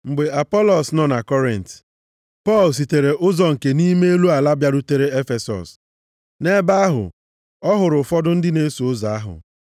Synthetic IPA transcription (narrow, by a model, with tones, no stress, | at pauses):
ŋ͡m̩˨ɡ͡be˨a˨pɔ˦lɔ˨snɔ˦na˨kɔ˦ɾɪ˨n˨t | pɔ˦˨ls̬i˨te˨ɾe˨ʔʊ˦zɔ˨ŋ̩˨ke˨ni˦me˦e˦lu˦a˨la˦bja˦ɾu˦te˦ɾe˦e˦fe˨sɔ̰˨s | ne˦ba˦a˦ɦʊ̰˨ | ɔ˦ɦʊ˨ɾʊ˨fɔ˦dʊ˦n̩˦dɪ˦ne˦so˨ʊ˦za˨a˦ɦʊ̰˨